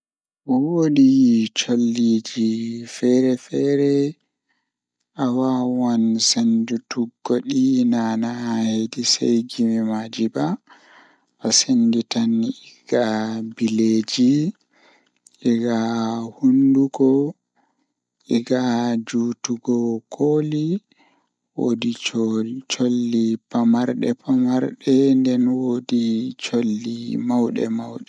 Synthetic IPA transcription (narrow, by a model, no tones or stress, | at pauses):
ɔwodit͡ʃolːid͡ʒifɛɾɛfɛɾɛ | ʔawawansend͡ʒutuɡːoɗinanahedisa̰jɡimimad͡ʒiba | ʔasenditaniɡ̥abiled͡ʒi | ʔiɡahunduɡɔ | ʔiɡad͡ʒutuɡɔkʰoːli | wodi | t͡ʃolːipamaɾɗɛ̰pamaɾɗɛndɛnwodit͡ʃolːimawɗɛ̰mawɗɛ